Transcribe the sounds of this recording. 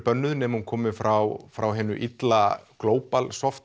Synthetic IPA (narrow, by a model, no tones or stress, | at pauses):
pœnːʏðʏnɛmhunkʰɔːmɪfɾawfɾawɦɛːnʏ̰ʔit̪lakloːwpalsɔft̪